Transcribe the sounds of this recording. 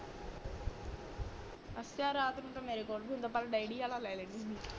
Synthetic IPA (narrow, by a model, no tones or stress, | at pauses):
əsaːɾaːt̪nũːʈ̪ameːɾeːkoːlbʱiːʊ̃nd̪aːpaːlɖaiɖiːjaːlaːlɛːleːniːniː